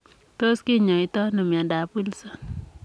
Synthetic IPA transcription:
to˦skɪ˦ɲɔ˨ɪ˦tɔ˦nɔ˨mja˨da˨pwi˦lsɔ˨n

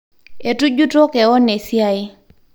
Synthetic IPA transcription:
e˨tu˦d͡ʒu˦tɔ˦kɛ˨ɔ˦ne˨sja˦ɪ˦

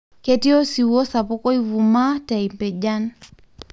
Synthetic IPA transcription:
kɛti˦ɔ˦si˨wɔ˦sa˨pɔ˦kɔ˦i˦vuma˦taimpɛ˨d͡ʒan

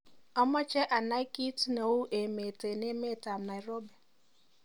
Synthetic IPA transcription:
ɔ˦mɔ˦t͡ʃɛ˦ʔa˨na˦i˦ki˦tno˨wu˦ʔe˨me˨te˨ne˦me˦˨ta˨m̩˨na˨i˨ɾo˦bɛ˨

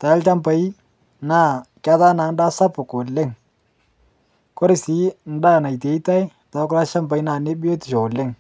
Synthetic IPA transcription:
ta˨ɪ˦lt͡ʃa˦mpa˨i˦ | na˦˨ka˦ta˦na˨˦n˦da˦sa˦pʊ˨ko˨le˦˨ŋ | ko˦ɾɪ˨si˦n̩˦da˦˨na˨i˨t̬e˨˦i˦ta˦j | ta˨˦kʊ˦la˦ʃa˦mba˨i˦na˨ne˦bɪ˦o˦tɪ̥˨ʃo˨lɪ˦˨ŋ

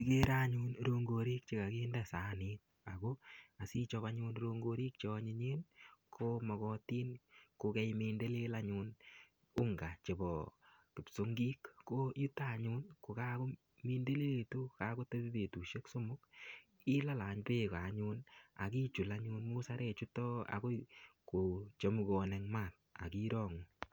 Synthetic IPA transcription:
ike˦ɾa˦ɲu˦nɾo˧ŋɡo˧ɾi˦k̚t͡ʃe˦ka˨keː˦ndɛsaː˦nit̚ | a˨koa˨si˦t͡ʃɔ˧βa˧ɲuː˧nɾo˧ŋɡo˧ɾi˦k̚t͡ʃɔ˧ɲi˧ɲe˦nkʰo˦mɔ˨kɔ˧tiː˦nko˧kɛ˦jme˧nde˦le˦la˦ɲun | u˦ŋɡa˨t͡ʃe˨bɔ˨ki˨pso˦ŋɡi˦kːo˦ji˦ta˨ɲu˦nko˨ka˦ko˦ | mi˦nde˦le˦tu˦ka˦ko˦te˦bi˦be˨tu˨ʃe˦kso˦mʊ˦k̚ | ɪ˦la˦la˨ɲpe˦ka˨ɲu˧na̰˨ki˦t͡ʃu˨laɲu˧nmu˦sa˦ɾe˦t͡ʃu˦tɔ˦a̰˨ko˦ko˨t͡ʃo˦mu˨kɔ˨nɛ˨ŋma˨t̚ | a̰˨ki˦ɾɔ˦ŋu˨

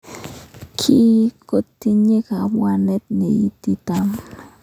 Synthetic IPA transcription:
kʰi˦ko˦t̪ːi˦ɲe˦ka˨mwa˦nɛ˦t̪̚ne˨i˦t̪i˦t̪a˦m

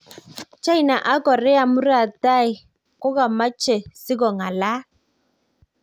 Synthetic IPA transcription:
t͡ʃa˦i˨na˨ʔa˦kɔ˨rɛ˦a˨mu˦ra˨ta˦i˨ | kɔ˦ka˨ma˦t͡ʃʰɛ˨si˦k̬ɔ˨ŋa˨la˦

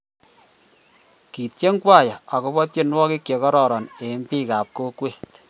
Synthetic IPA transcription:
ki˨tje˦ŋkwa˦˨ja˨a˨ko˦bɔ˦tje˦nwɔ˦ki˦kje˨kɔ˦ɾɔ˨ɾɔ˨ne˨˦m˦pi˦ka˨p̚ko˦kwe˦t

